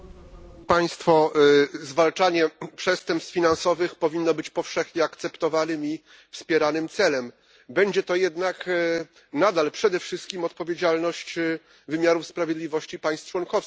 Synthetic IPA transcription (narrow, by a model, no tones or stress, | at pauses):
paj̃st̪fɔzvalt͡ʂaɲɛpʂɛst̪ɛmpst̪fʲinansɔvɘxpɔvʲinːɔbɘt͡ɕpɔfʂɛxɲɛakt̪sɛpt̪ɔvanɘmi | fspʲjɛɾanɘmt̪sɛlɛm | bɛɲd͡ʑɛt̪ɔjɛd̪nak | nad̪alpʂɛd̪ɛfʂɘst̪̚kʲimɔt̪̚pɔvʲjed͡ʑalnɔɕt͡ɕ | vɘmʲjaɾufspɾavʲjed̪lʲivɔɕt͡ɕipaj̃st̪t͡ʂwɔnkɔfs